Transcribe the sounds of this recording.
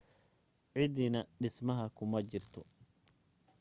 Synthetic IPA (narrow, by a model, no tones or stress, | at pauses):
ʕɪd̪inɐɖɪsmɐɦɐkʰʊmɐt͡ʃɪrt̪ʰɔ